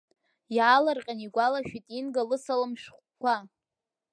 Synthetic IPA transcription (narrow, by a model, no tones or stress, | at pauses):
jaːlarqʲʼaniɡʷalaʃᶣitʼinɡalɨsalamʃᶣχʷkʷa